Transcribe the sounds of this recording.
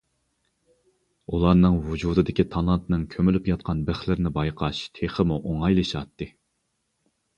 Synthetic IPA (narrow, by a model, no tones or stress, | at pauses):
ulˠɑɾnɨŋvud͡ʒud̪ɨd̪ɪkʲʰit̪ʰɑnˠɑt̪ɨnɨŋkʲʰømylypjɑt̪̚qʰɑnbɪχlɪɾɪnɪbɑjqʰɑʃt̪ʰeχəmuʔoŋɑjlˠɨʃɑt̪ːɨ